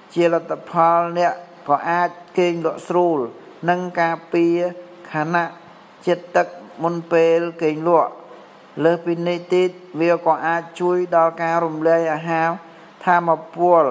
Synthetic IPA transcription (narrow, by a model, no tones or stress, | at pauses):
t͡ɕiəlat̪ʰːapʰɑlnɛ̆əʔ | kɑːʔaːc̚keːŋlʊ̆əʔsruːl | nɨŋkaːpiə | kʰaːnaʔ | t͡ɕiət̪ːɨk̚munpeːlkeːŋlʊ̆əʔ | ləːhpiːniht̪iːt̪̚ʋiəkɑːʔaːc̚t͡ɕuəjɗɑlkaːɾumlɛ̆əjʔaːɦaː | t̪ʰaːmapʊəl